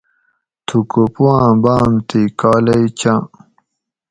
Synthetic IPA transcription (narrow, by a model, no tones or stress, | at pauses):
t̪ʰukopuwãːbaːmt̪ikaːlɐit͡ɕã